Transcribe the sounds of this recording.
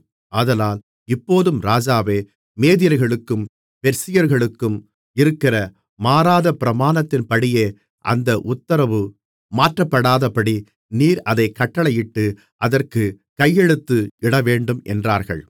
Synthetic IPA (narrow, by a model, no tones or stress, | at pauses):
ɐðɐnaːl | ɪpːoːðɯmɾaːd͡ʒaːʋeː | meːðɪjɐɾɣɐɭɯkːɯm | pɛɾsɪjɐɾɣɐɭɯkːɯm | ɪɾɯkːɪrɐ | maːɾaːðɐpɪɾɐmaːnɐt̪ːɪnpɐɽɪjeː | ʔɐ̰nd̪ɐʔʊt̪ːɐɾɐʋɯ | maːʈrɐpːɐɽaːðɐpɐɽi | niːɾɐðɐɪkːɐʈːɐɭɐjɪʈːɯ | ʔɐðɐrkɯ | kɐjːɛɻɯt̪ːɯɪɽɐʋeːɳɖɯmʔɛ̰ndraːɾɣɐ̰ɭ